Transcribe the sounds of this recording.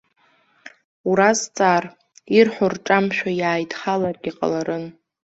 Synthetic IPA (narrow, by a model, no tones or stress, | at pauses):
uɾazt͡sʼaːr | irħʷʊrʈ͡ʂʼamʃᶣajaːjdʼχalarɡʲiqʼa̰laɾɨn